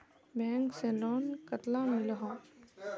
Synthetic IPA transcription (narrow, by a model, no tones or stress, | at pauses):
bɛ̃ːŋksẽlɔːnkət̪lãmɪləɦõː